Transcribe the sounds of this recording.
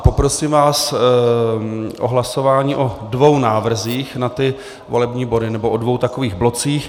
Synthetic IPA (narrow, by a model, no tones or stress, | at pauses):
po̞pɾo̞siːmvaːs | ʔo̰ɦlaso̞vaːɲiːʔo̞dvo̞wnaːvr̩ziːxnat̪ɪ | vo̞lɛbɲiːbo̞dɪnɛboʔodvo̞wt̪akoviːɣblo̞t͡siːx